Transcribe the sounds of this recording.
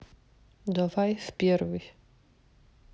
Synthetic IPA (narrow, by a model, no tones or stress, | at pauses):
d̪ɔvajfpʲjɛɾvi